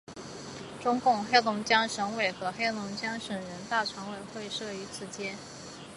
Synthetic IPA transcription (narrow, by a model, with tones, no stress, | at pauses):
ʈ͡ʂʊ˥ŋkʊ˥˩ŋxe˥ɪlʊ˧˥ŋt͡ɕjɑ˥ŋʂɤ˧˥ŋwe˨˩ɪxɤ˧˥xe˥ɪlʊ˧˥ŋt͡ɕjɑ˥ŋʂə˨˩ŋɻə˧˥nt̪a˥˩ʈ͡ʂʰwɑ˧˥ŋwe˨˩ɪxwe˥˧ɪʂɤ˥˩y˧˥t͡sʰɹ̩˨˩t͡ɕjɛ˥n